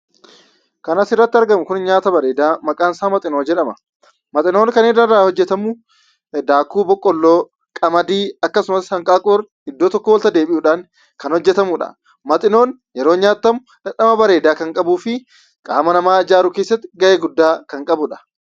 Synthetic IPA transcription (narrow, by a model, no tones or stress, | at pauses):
kɐnɐsɪrːɐt̪ːɪɐɾɡɐmʊkʊnɲaːt̪ɐbɐɾe̞ːd̪aːmɐkʼaːnsaːmɐt̪ʼɪnoːd͡ʒɛᶑɐmɐ | mɐt̪ʼɪnoːnkɐnedɐɾaːhɔd͡ʒːɛt̪ɐmuː | d̪aːkːuːbɔkʼːɔlːoː | kʼɐmɐd̪iːɐkːɐsʊmɐshɐŋkʼaːkʼʊːɾ | ɪd̪ːoːt̪ɔkːɔwɔlt̪ɐd̪eːbɪʔʊːᶑaːn | kɐnhɔd͡ʒːɛt̪ɐmuᶑɐ̰ | mɐt̪ʼɪno̞ːn | jɛɾo̞ːɲaːt̪ːɐmʊ | ᶑɐᶑɐmɐbɐɾe̞ːd̪aːkɐŋkʼɐbuːfɪ | kʼa̰ːmɐnɐmaːɪd͡ʒaːɾʊkeːsːɐt̪ːɪ̥ɡɐʔeːɡʊd̪ːaːkɐŋkʼɐbʊᶑɐ̥